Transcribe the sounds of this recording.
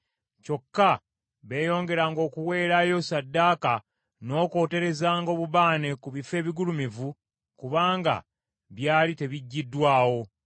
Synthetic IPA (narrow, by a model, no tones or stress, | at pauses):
co̞kːa | βe̞ːjo̞ːŋɡe̞ɾaːŋɡo̞ːkuwe̞ːɾajo̞sadːaːka | no̞ːko̞ːte̞ɾe̞zaːŋɡo̞ːβuβaːne̞kuβife̞ːβiɡulumivu | kuβaːŋɡa̰ | βjaːlite̞βiɟːidːwaːwo̞